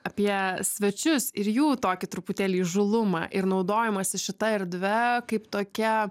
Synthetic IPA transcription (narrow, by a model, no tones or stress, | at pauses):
ɐpʲiɛsʲʋʲɛt͡ʃʲʊsɪɾjuːt̪oːkʲɪt̪ɾʊpʊt̪ʲeːlʲiːʒʊlˠʊmɑ̰ːʔɪɾnɐʊd̪oːjɛmɐsʲɪʃʲɪt̪ɐɪɾʲd̪ʲʋʲɛkɐɪpt̪oːkʲɛ